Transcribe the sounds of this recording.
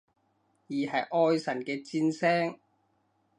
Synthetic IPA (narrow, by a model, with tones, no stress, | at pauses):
jiː˨ɦɐ˨jʔɔː˧jsɐ˨˩nkɛː˧t͡siː˧nsɛː˥ŋ